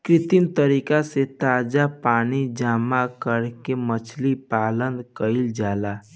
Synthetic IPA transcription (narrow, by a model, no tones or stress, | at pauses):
kɾɪt̪imt̪əɾiːkaset̪aːd͡ʒapaːnid͡ʒaːmakəɾkemət͡ʃʰlipaːlənd̪kəɪld͡ʒaːla